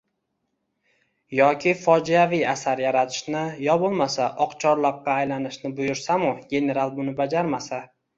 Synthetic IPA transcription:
jɒkʲʰɪfɒd͡ʒijavijasaɾjaɾat̪ʰɪ̥ʃnɪjɒbʊlˠmasaʔɒqt͡ʃʰɒɾlˠɒqːɑːjlanɪʃnɪbʊjʊɾsamʊɡʲe̞ne̞ɾalˠbʊnɪbad͡ʒaɾmasa

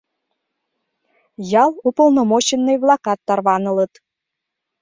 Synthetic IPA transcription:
jɑlˠupolˠnomot͡ɕənːəjβlˠɑkɑt̪ːɑrβɑnə̆lə̆t̪

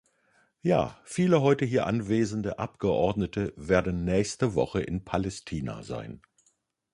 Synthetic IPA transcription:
ja̰ːfiːləɦɔʏtəɦiːɐʔanveːzn̩dəʔapɡ̥əʔɔɐdnətʰəveːɐdn̩ːɛːçstəvɔχəʔɪ̰npʰalɛstʰiːna̰za̰ɪn

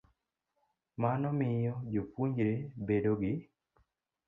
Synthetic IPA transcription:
manɔmɪjɔd͡ʒofuɲd͡ʒiɾebedoɡɪ

